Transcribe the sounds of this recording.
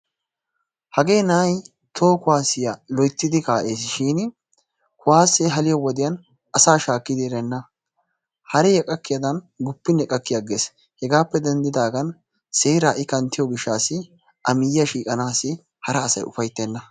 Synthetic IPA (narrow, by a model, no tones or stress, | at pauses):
hɐɡe̞ːnaːj | t̪ʰo̞ːkʊwaːsɪjɐlɔjt̪ːɪd̪ɪkaːʔe̞ːs̬ʃiːn | kʊwaːsːɛɦɐlɪjɔwɔd̪ɪjɐn | ɐsaːʃaːkːɪd̪eɾɛnːɐ | hɐɾɛjɛkʼɐkːɪjɐd̪ɐn | ɡʊpːɪnɛkʼɐkːɪjɐɡeːs | hɛɡaːpːɛd̪ɛnd̪ɪd̪aːɡɐn | seːɾaːʔɪkɐnt̪ːɪjɔɡɪʃːaːsɪ | ʔɐmɪjːɐʃiːkʼɐnaːsɪ | hɐɾɐːsɐ̰jʊfɐjt̪ːeːnːɐ